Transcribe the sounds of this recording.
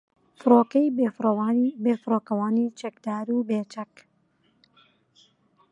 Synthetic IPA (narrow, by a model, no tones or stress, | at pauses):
fɨɾoːkɐjbefbeːfɨɾoːkɐwaːniːt͡ʃɐkd̪aːɾuːbeːt͡ʃɐk